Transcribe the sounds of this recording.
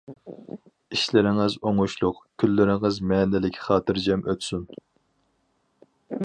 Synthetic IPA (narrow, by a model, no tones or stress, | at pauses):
iʃlɪɾɪŋɨzoŋuʃlˠʊqkʲʰylːɪɾɪŋɨzmɛːnɪlɪkʲχɑːt̪ʰɨɾd͡ʒɛmʔøt̪syn